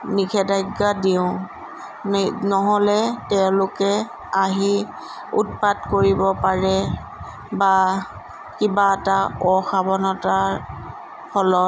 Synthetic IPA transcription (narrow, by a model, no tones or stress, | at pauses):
nikʰɛdajɡːadiʊ̃ | nɔɦɔlɛtɛʊ̃lʊkɛ | aɦi | ṵt̚patkoɹibɔpaɹɛ | ba | kibataɔxabɔnɔta | pʰɔlɔt̚